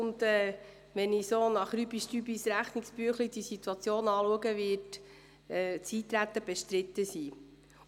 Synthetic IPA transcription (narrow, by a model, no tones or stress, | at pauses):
ʊnd̪ɛː | ʋɛnisoːnɑχɾybiʃtybisɾæχnikspyəχlid̥̪isit̪uɑt͡sjoːnɑːluəɡəʋɪt | ɛːt͡siːt̪ɾæt̪ːəb̥ɛʃt̪ɾɪt̪ːəsiː